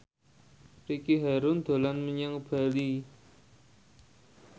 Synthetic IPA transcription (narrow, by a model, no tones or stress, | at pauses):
ɾikiɦaɾʊnd̪̥o̤lanməɲaŋb̥a̤li